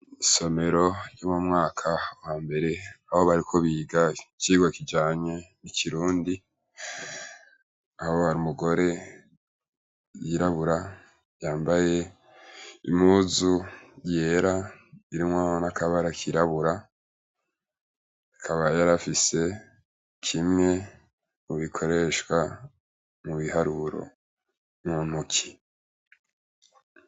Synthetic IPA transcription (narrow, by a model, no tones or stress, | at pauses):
iso̞me̞ɾo̞jomumŋaːkʰawaːmbe̞ɾe̞aho̞βaɾikʰo̞βiːɡaciːɡwakid͡ʒaːɲeniciɾuːndi | ahohaɾimuɡo̞ɾe̞ | jiɾaβuɾa | jaːmbaje̞ | ḭmuːzuje̞ɾaiɾimwahonakʰaβaɾakʰiɾaβuɾa | akʰaβajaɾafise̞ | kʰimŋe̞ | uβikʰo̞ɾe̞ʃwa | muβihaɾuɾo̰ | mun̥ukʰi̥